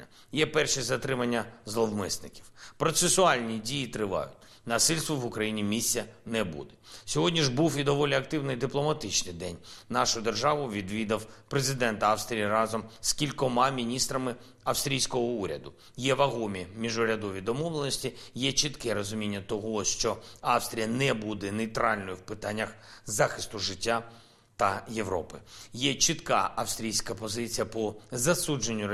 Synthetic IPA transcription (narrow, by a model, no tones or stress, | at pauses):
ɐ | jɛpɛrʃizɐt̪ɾɪmɐnʲːɐzlˠɔwmɪsnɪkʲiwpɾɔt̪sesʊɑlʲnʲidʲijit̪ɾɪʋɑ̰jʊ̰tʲ | nɐsɪlʲst̪ʋɔʋʊkɾɐjinʲimʲisʲːɐnɛbṵd̪ɛsʲɔɦɔdʲnʲiʒbuwid̪ɔʋɔlʲiɐkt̪ɪwnɪd̪ɪplˠɔmɐt̪ɪt͡ʃnɪjd̪ɛnʲnɑʃʊd̪erʒɑʋʊʋʲid̪ʋʲid̪ɐwpɾezɪd̪ɛnt̪ɐɑfst̪ɾʲijiɾɑzɔmskʲilʲkɔmɑmʲinʲist̪ɾɐmɪ | ɐfst̪ʲɾʲijsʲkɔɦɔuɾʲɐd̪ʊ | jɛʋɐɦɔmʲimʲiʒʊɾʲɐd̪ɔʋʲid̪ɔmɔʋlˠenɔsʲtʲijɛt͡ʃit̪kɛɾɔzʊmʲinʲːɐt̪ɔɦɔʃt͡ʃɔɑfst̪ɾʲijɐnɛbud̪ɛnejt̪ɾɑlʲnɔjʊwpɪt̪ɑnʲːɐxzɑxɪst̪ʊʒɪtʲːa | t̪ɐje̞ʋɾɔpɪjɛt͡ʃɪt̪kɑɐfst̪ɾʲijsʲkɐpɔzɪt͡sʲijɐpɔzɐsud͡ʒenʲːʊ